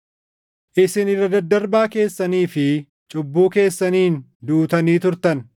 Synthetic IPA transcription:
ʔɪsɪnɪrːɐd̪ɐd̪ːɐɾbaːke̞ːsːɐniːfɪ | t͡ʃʼʊbːuːke̞ːsːɐniːnd̪uːt̪ɐniːt̪ʊɾt̪ɐn

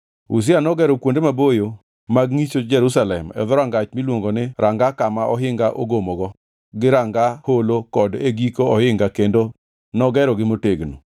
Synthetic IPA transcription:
ṵs̬ɪanɔɡɛɾɔkwondemabojo | maɡŋit͡ʃod͡ʒɛɾusalɛmɛ̰ðɔɾaŋɡat͡ʃmilwoŋɡonɪɾʔaŋɡakamaʔɔɦɪŋɡaʔo̰ɡomoɡɔ | ɡɪɾaŋɡaholokɔdeɡikoɔhɪŋɡakendo | nɔɡɛɾɔɡɪmoteɡno̰

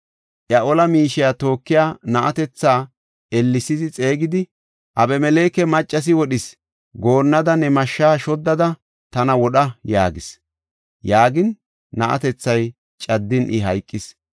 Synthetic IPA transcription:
ʔjɐʔɔlɐmiːʃɪjat̪o̞ːkːɪjaːnɐʔɐt̪ɛt͡sːaː | ɛlːɪsɪzɪt͡sʼe̞ːɡɪd̪ɪ | ʔɐbɛmɛle̞ːkɛmɐt͡ʃʼːɐs̬ɪwɔɗɪs | ɡo̞ːnːɐd̪ɐnɛmɐʃːaːʃɔd̪ːɐd̪ɐ | t̪ɐnɐwɔɗɐjaːɡɪs | jaːɡɪnː | ɐʔɐ̰t̪ɛt͡sːɐj | t͡ʃʼɐd̪ːɪnʔɪɦɐjkʼːɪs

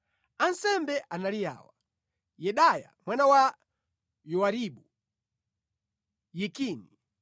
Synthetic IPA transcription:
ansɛmbɛʔanalija̰ːwa | jɛɗaja̰mwanawa | jɔwaɾiɓu | jikiːni

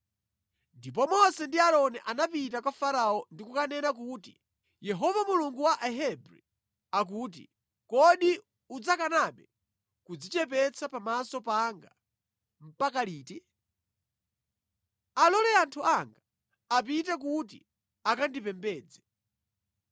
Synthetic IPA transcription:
ndip̬ɔmɔsɛndialɔnɛʔanapit̬akwafaɾaɔndikukanɛnak̬uti | jɛɦɔvamuluŋɡuwaʔɛɦɛbɾḭ | ak̬ut̬ḭ | kɔɗi | ud͡zakanaɓɛ | kud͡zit͡ʃɛpɛt͡sʰapamasɔpaŋɡa | m̩pakaliːti | alɔlɛantʰuʔaŋɡa | ap̬it̬ɛk̬ut̬ḭ | akandipɛmbɛːd͡zɛ

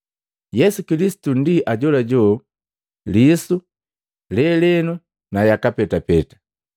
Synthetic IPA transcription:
jɛsukilisi̥tundiʔaɟɔlaɟɔ | lisu | lɛlɛnu | najakapɛtapɛtḁ

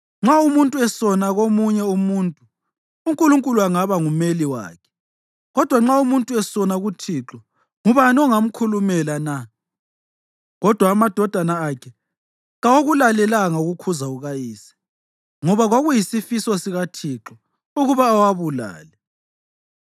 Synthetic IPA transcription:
ŋ͡ǁaumuntʼuɛsɔnaɣomuɲɛumuntʼuː | ŋkʼuluŋkʼuluaŋaβaŋumeliwa̰ːkʰɛ̥ | ɣɔd̥ʱwaŋ͡ǁaumuntʼuɛsɔnaɣutʰiǁɔ | ŋuβanɔŋam̩kʰulumɛlana | ɣɔd̥ʱwaːmad̥ʱɔd̥ʱanaːkʰɛ | ɣawoɣulalɛlaŋauɣukʰuzauɣajiːsɛ̥ | ŋɔβaɣwaɣujisifisɔsiɣatʰiːǁɔ | uɣuβaːwaβula̰ːlɛ

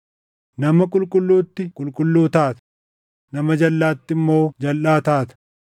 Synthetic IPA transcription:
nɐmɐkʼʊlkʼʊlːuːt̪ːɪkʼʊlkʼʊlːuːt̪aːt̪ɐ̥ | nɐmɐd͡ʒɐlːaːt̪ːɪmːo̞ːd͡ʒɐlʔaːt̪aːt̪ɐ̥

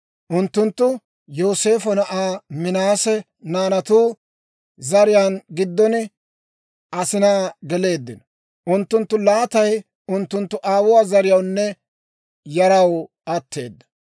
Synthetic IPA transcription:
ʔʊnt̪ːʊnt̪ːʊ | joːse̞ːfɔnɐʔaːmɪnaːsɛ | naːnɐt̪uː | zɐɾɪjaːnɡɪd̪ːɔnɪ | ʔɐsɪnaːɡɛle̞ːd̪ːɪnɔ | ʔʊnt̪ːʊnt̪ːʊlaːt̪ɐj | ʊnt̪ːʊnt̪ːʊʔaːwʊwaːzɐɾɪjɐwnːɛ | jɐɾɐw | ɐt̪ːe̞ːd̪ːɐ̥

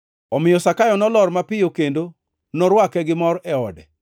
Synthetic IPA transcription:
ɔmɪjɔsakajɔnɔlɔrmapɪjokendo | nɔɾwakɛɡɪmɔɾʔɛɔdɛ̰

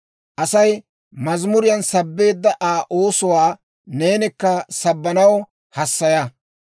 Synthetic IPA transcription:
ʔɐsɐj | mɐzmʊɾɪjɐnsɐbːe̞ːd̪ːɐʔaːʔoːsʊwaː | ne̞ːnɪkːɐsɐbːɐnɐwɔ | hɐsːɐjɐ

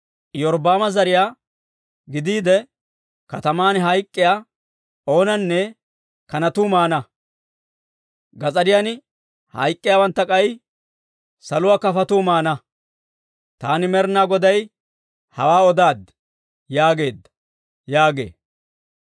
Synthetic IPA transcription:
jɔɾbaːmɐzɐɾɪjaː | ɡɪd̪iːd̪ɛ | kɐt̪ɐmaːnɦɐjkʼːɪjaː | o̞ːnɐnːɛ | kɐnɐt̪uːmaːnɐ | ɡɐt͡sʼɐɾɪjanɪ | hɐ̰jkʼːɪjaːwɐnt̪ːɐkʼɐj | sɐlʊwaːkɐfɐt̪uːmaːnɐ | t̪aːnɪmɛɾnaːɡɔd̪ɐj | hɐ̰waːɔd̪aːd̪ | jaːɡe̞ːd̪ːɐ̥ | jaːɡe̞̰ː

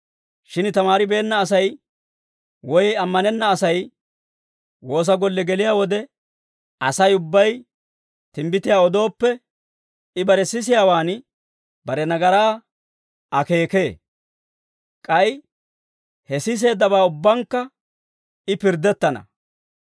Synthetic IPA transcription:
ʃɪnt̪ɐmaːɾɪbe̞ːnːɐːs̬ɐj | wɔjɐmːɐnɛnːɐːsɐj | wo̞ːs̬ɐɡɔlːɛɡɛlɪjaːwɔd̪ɛ | ɐsɐjʊbːɐj | t̪ɪmbɪt̪ɪjaːɔd̪o̞ːpːɛ | ɪbɐɾɛsɪsɪjaːwaːn | bɐɾɛnɐɡɐɾaː | ʔɐke̞ːke̞ː | kʼɐj | hɛsɪs̬e̞ːd̪ːɐbaːʊbːɐŋkːɐ | ɪpɪɾd̪ːɛt̪ːɐnɐ̰

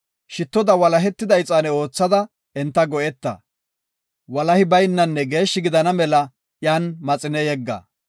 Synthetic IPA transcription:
ʃɪt̪ːɔd̪ɐwɐlɐɦɛt̪ːɪd̪ɐjt͡sʼːaːnɛo̞ːt͡sːɐd̪ɐ | ɛnt̪ːɐɡɔʔɛt̪ːɐ̰ | wɐlɐhɪbɐjnːɐnːɛɡe̞ːʃːɪɡɪd̪ɐnɐmɛlɐ | jaːnmɐt͡sʼɪnɛjɛɡːɐ̰

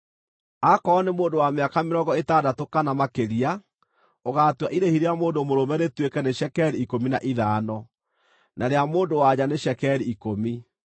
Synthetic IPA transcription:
akɔːnemoːndowameakameɾɔŋɡɔetadatokanamakeɾia | oɣaːtwaʔiɾehiɾeamoːndomoɾomɛnetwekɛneɕɛkɛɾiːkominaʔiðaːnɔ | naɾeamoːndowaɲaneɕɛkɛɾiikomi

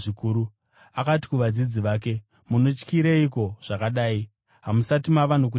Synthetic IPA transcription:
ikuːɾu | akati̥kuʋad͡zid͡ziʋaːk̬e̞ | muno̞t͡ʃkiɾeiko̞ʐ̥akaɗaːi | ɦamusatimaʋan̤uk̬u

